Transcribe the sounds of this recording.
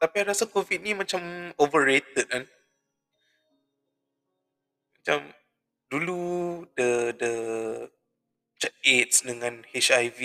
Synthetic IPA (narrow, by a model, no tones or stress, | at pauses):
t̪apiaɾasakovit̪̚nimãt͡ʃamovəɾet̪ət̪̚lan | mat͡ʃam | duludədə | t͡ʃɛt̚et̪̚sdəŋãnhet͡ʃajvi